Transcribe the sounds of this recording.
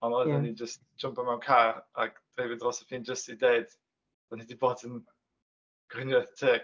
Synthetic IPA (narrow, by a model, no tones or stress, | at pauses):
ɔnɔanid͡ʒəst | ʒ̥ʊmpamɛwnkʰaɾa̰ɡ̥d̥rejvɪdrɔsɛ̥pʰiːnd͡ʒəstideɨd̥ | danidiboːdən | ɡ̥wɪnjɔθtʰeː